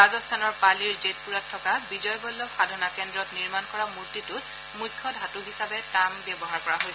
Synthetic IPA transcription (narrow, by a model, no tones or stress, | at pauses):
azɔst̪ʰanɔɹpaliɹzet̚puɹatʰːɔkabizɔjbɔlːoxʰadʱɔnakɛndɹɔtniɹmankɔɹamuɹtitʊt | mujkʰːɔdɦatʊɦisabɛtambjɔbɔɦaɹkɔɹaɦojs